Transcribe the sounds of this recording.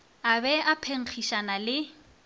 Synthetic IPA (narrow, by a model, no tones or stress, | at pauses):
abɛapʰeŋ̩χʰiʃanalɪ